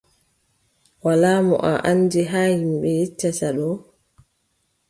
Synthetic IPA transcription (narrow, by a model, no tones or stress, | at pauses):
walaːmɔ̰ʔa̰ʔanːd͡ʒiɦaːhimɓɛjet͡ʃːataɗɔ